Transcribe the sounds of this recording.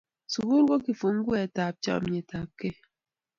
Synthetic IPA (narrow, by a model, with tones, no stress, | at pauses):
su˨ɣu˦ɡo˦ki˨fu˨ŋ̩˦ɡu˦e˦˨ta˨p̚t͡ʃɔ̰˦˨m˨ɲe˨ta˨p̚ke˦